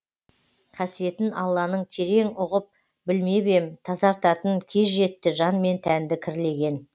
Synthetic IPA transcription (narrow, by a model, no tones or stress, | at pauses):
qʰɑsije̞t̪ɪnɑlˠːɑnəɴt̪ʰe̞ɾe̞ŋʊʁəp̚ | bɪlme̞be̞mt̪ʰɑzɑɾt̪ɑt̪ənkʲʰe̞zʒe̞t̪ːɪʒɑnme̞nt̪ʰænd̪ɪkʲʰɪɾle̞ɡʲe̞n